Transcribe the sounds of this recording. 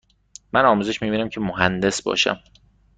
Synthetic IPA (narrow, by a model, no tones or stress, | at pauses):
mænɒːmuːze̞ʃmiːbiːnæmcʰe̞moɦænd̪e̞sbɒ̰ːʃæ̰m